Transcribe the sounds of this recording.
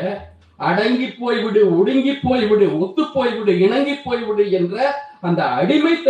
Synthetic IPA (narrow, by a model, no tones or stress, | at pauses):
ʔɐɽɐŋɡipːoːjʋɪɽɯɔɽɯŋɡipːoːjʋɪɽɯɔt̪ːɯpːoːjʋɪɽɯɪɳɐŋɡipːoːjʋɪɽɯɛndrɐɐnd̪ɐɐɽɪmɐɪt̪ːɐ